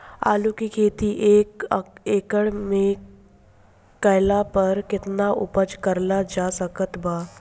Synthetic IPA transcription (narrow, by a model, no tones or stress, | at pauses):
a̰ːlukikʰeːt̪iʔeːkeːkəɽmẽ | kəjɪlapəɾkɪt̪naʔʊ̰pəd͡ʒkəɾlad͡ʒaːsəkət̪baː